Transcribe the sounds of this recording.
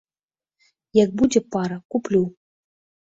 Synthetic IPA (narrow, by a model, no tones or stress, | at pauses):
jɐɡ̚bud͡zʲɛpaɾɐkuplʲu